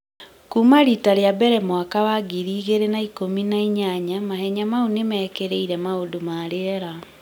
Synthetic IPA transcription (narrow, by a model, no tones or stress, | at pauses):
kumaɾitaɾeabɛɾɛmwakawaɡiɾiːɣeɾenaikominaiɲaɲamahɛɲamaunemɛːkeɾeiɾɛmaodomaɾeɛɾa